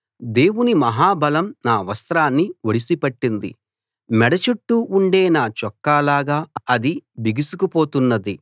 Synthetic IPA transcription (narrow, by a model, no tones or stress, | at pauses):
d̪e̞ːwunimɐɦaːbɐlɐmnaːʋɐst̪ɾaːnːiʋoɽisipɐʈːind̪ḭ | mɛɽɐt͡ʃuʈːuʔuɳɖe̞ːnaːt͡ʃɔkːaːlaːɡaːɐd̪ibiɡisukupo̞ːt̪unːɐd̪i